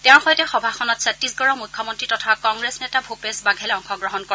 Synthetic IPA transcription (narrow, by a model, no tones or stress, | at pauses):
tɛʊ̃xɔjtɛxɔbʱaxʰɔnɔtsatːisɡɔɹɔmujkʰːɔmɔntɹitɔtʰakɔŋɡɹesnɛtabʱopesbaɡʱɛlɛɔŋxɔɡɹɔɦɔnkɔ